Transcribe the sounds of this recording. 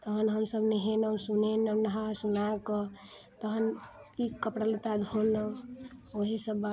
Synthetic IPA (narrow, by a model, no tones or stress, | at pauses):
t̪əɦənɦəmsəbneɦenəwsunenənəɦasunakə | t̪əɦənikəpɽalut̪ad̪ʱonə | oɦisəba